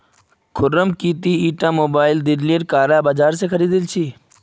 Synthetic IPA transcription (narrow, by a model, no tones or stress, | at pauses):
kʰʊɾəmkiːt̪iːiːʈãːmoːbaːɪld̪ɪɾlijəɾkaːɾaːbaːd͡ʒaːɾs̬eːkʰəɾiːd̪ɪlt͡ʃʰiː